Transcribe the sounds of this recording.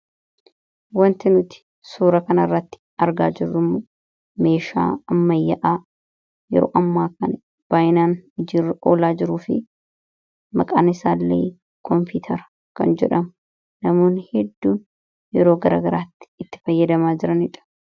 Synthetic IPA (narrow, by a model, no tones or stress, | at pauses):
wɐnt̪ɪnʊt̪ɪ̥ | suːɾɐkɐnɐrːɐt̪ːɪ̥ɐɾɡa̰ːd͡ʒɪrːʊmʊ | me̞ːʃa̰ːɐmːɐjːɐʔaː | jɛ̰ɾo̰ːʔɐmːaːkɐnɐ | b̥aːʔɪnaːnɪd͡ʒiːrːɐʔo̰ːlaːd͡ʒɪɾuːfɪ̰ | mɐkʼa̰ːnɪsaːlːḛː | kʰɔmpuːt̪ʰɐɾɐ̥ | kɐ̰nd͡ʒɛᶑɐm | nɐmo̞ːnːɪhɛd̪ːuːn | jɛɾoːɡɐɾa̰ːɡɐɾaːt̪ːɪ̥ːt̪ːɪ̥fɐjːɐd̪ɐmaːd͡ʒɪɾɐnɪᶑɐ̥